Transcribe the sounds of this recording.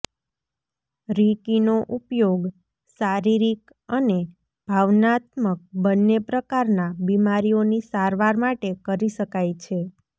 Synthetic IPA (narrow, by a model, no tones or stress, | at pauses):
ɾikinoʔupjoɡ | saɾiɾik | əne | b̥ʱaʋnat̪mək̚bənːepɾəkaɾnabimaɾijonisaɾʋaɾmaʈekəɾiʃəkajt͡ʃʰe